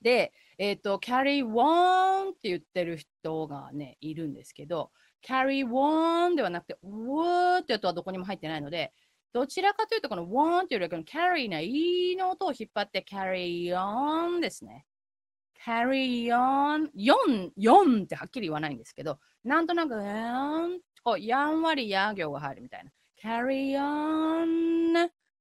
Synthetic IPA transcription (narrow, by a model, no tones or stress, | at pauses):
d̪e̞ː | t̪ːo̞kʲʰaɾiβont̪ːe̞jɯ̟t̪ːe̞ɾɯ̟çi̥t̪o̞ɡa̰ne̞̰iɾɯ̟̃nd̪e̞sɨ̥ke̞d̪o̞ | kʲʰaɾiβond̪e̞β̞anakɯ̟̥t̪e̞ | t̪ːeat̪o̞ad̪o̞ko̞ɲ̟imo̞ɦait̪ːe̞naino̞d̪e̞ | d̪̥o̞t͡ɕiɾakat̪ojɯ̟ːt̪o̞kono̞βõnt̪ːejɯɾkenokʲʰaɾinainoːt̪o̞ːçipːat̪ːe̞kʲʰaɾijond̪e̞sɨne̞̰ | kʲʰaɾijonjõnjõnt̪ːe̞hakʲːiɾʲiiβ̞anaĩnd̪e̞sɨ̥ke̞d̪o̞ | nãnt̪o̞nakɯ̟an | ojãɰ̃βaɾʲijaɡʲo̞ːɡaɦaiɾɯ̟mʲi̥t̪a̰ḭna | kʲʰaɾion